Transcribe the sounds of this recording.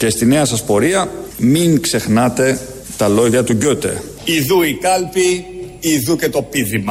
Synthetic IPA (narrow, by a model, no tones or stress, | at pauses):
ce̞st̪ine̞ɐsɐspo̞ɾiɐmiŋkse̞xnɐt̪e̞ | t̪ɐlo̞ʝɐt̪uɟot̪e̞̰ | iðuikɐlpi | iðucet̪o̞piðimɐ